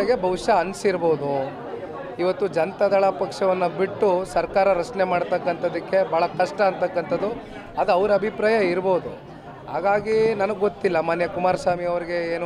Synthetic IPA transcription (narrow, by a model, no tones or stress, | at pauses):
ɡebʱɐʋʂɐɐnsiɾboːud̪u | iʋɐt̪ːud͡ʒɐnt̪ɐd̪ɐɭɐpɐkʂɐʋɐnːɐbiʈːusɐɾkaːɾɐɾɐt͡ʃnemaːɽt̪ɐkːɐnt̪ɐd̪ikːe̞bʱaːɭɐkɐʂʈɐːnt̪ɐkːɐnt̪ɐd̪ːu | ɐd̪uɐʋɐɾɐbʱipɾaːjɐiɾboud̪u | ɦaːɡaːɡinɐnɐɡɡot̪ːilːɐmaːnjɐkumaːɾɐsaːmiɐʋɐɾiɡe̞eːnu